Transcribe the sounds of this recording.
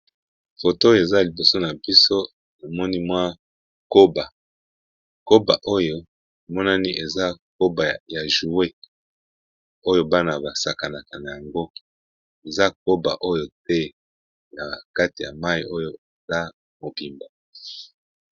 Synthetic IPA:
fo˨to˦jo˨e˨za˦li˨bo˨so˦na˨bi˦so˦ | na˨mɔ˦ni˦mwa˦ | ko˦ba˨ | ko˦ba̰˨ʔo˦jo˦˨ | mɔ˦na˦ni˦ʔe˨za˦k̚o˦ba˨ja˨ʒu˨we˦ | o˦jo˦ba˦na˨ba˨sa˨ka˨na˨ka˨na˨ja˨ŋɡo˦i˨ | e˨za˦k̚o˦ba̰˨ʔo˦jo˦t̚ɛ˦ | na˨ka˦ti˨ja̰˨ma˦jḭ˨ʔo˦jo˦e˨za˦ | mo˨bi˨mba˨

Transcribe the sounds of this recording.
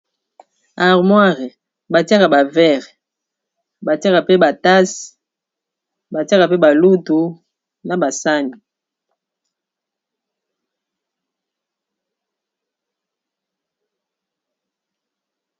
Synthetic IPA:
a˨ʁmwa˦ʁɛ˨ | ba˨ti˦a˦ka˨ba˨vɛ˦ʁ | ba˨ti˦a˦ka˨pe˦ba˨ta˦s | ba˨ti˦a˦ka˨pe˦ba˨lu˦tu˨ | na˨ba˨sa˦mi˨

